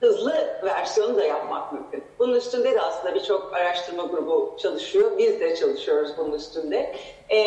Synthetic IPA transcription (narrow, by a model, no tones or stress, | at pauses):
hɯzlˠɯvæɾsijo̞nud̪ajapma̰k̚mymcʰʲynb̥ununyst̪ʰynd̪ɛd̪iaslɯnd̪abit͡ʃʰo̞kaɾaʃt̪ʰɯɾmaɡuɾubut͡ʃʰalˠɯʃɯjo̞bizd̪ɛt͡ʃʰalˠɯʃɯjo̞ɾuzbununyst̪ʰynd̪ɛ